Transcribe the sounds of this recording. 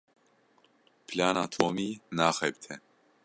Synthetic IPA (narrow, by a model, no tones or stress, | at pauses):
pʰlaːnaːt̪ʰoːmiːnaːxɛbt̪ʰɛ